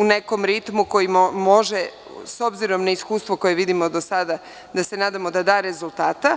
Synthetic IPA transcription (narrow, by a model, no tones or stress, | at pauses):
une̞ko̞mɾit̪muko̞jimmo̞ʒe | so̞bziɾo̞mnaiskuːst̪ʋo̞ko̞je̞ʋid̪imod̪o̞sad̪a | d̪ase̞naːd̪amo̞d̪ad̪aːɾe̞zulˠt̪aːt̪a